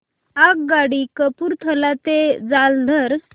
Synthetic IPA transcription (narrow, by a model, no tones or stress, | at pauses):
ak̚ɡaɽikəpuɾt̪ʰəlat̪ed͡zald̪ʱəɾ